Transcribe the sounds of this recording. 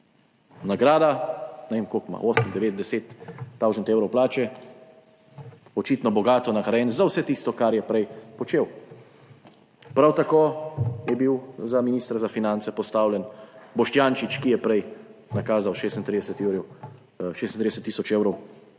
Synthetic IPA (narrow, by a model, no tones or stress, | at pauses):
naɡɾaːd̪anɛʋeːmkoːkma̰ʔoːsəmd̪ɛʋeːt̪̚d̪ɛset̪ːawʒənt̪eːwɾɔwplaːt͡ʃɛ | ɔt͡ʃiːt̪nɔbɔɡaːt̪ɔnaxaɾɛnzawsɛt̪ist̪ɔkaɾjɛpɾɛjpɔt͡ʃeːw | pɾawt̪akoːjɛbiwzaminiːst̪ɾzafinant̪sɛpɔst̪aːwlʲjɛnbɔʃt̪jaːnʃit͡ʃkijɛpɾɛjnakaːzawʃeːst̪nt̪ɾid̪ɛsɛt̪ewɾɛw | ʃeːst̪nt̪ɾid̪ɛst̪ːisɔt͡ʃeːwɾɔw